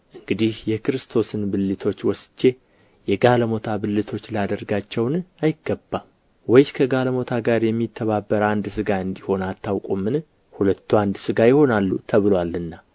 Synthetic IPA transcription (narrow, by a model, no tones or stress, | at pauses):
ʔɨŋɡɨd̪ihjɛkɨɾɨst̪ʰo̞sɨnbɨlːɨt̪ʰo̞t͡ʃːwɔsd͡ʒe̞ | jɛɡaləmo̞t̪ʰabɨlːɨt̪ʰo̞t͡ʃːləad̪əɾɡat͡ʃːɛwnajɪɡːəbːa | wɔjskʰəɡaləmo̞t̪ʰaɡaɾjɛmːit̪ʰːəβabːəɾand̪sɨɡaɨnd̪iho̞nat̪ʰːawkʼumːɨn | hulət̪ʰːuand̪sɨɡajɪho̞nalːṵt̪ʰəβɨlwalɨnːa